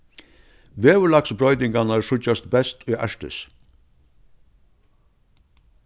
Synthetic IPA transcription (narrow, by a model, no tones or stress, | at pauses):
ʋeːʋʉlɑksbɾɔʏd̪ɪŋɡɑnæʃʊcɑst̪bɛst̪ʰiːʔæ̰ʃʈə̰s